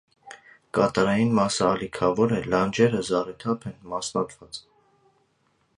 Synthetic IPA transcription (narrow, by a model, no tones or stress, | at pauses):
kɑt̪ɑɾɑjinmɑsəːlikʰɑvɔɾɛlɑnd͡ʒɛɾəzɑɾɛt̪ʰɑpʰɛnmɑsnɑkʰvɑt͡s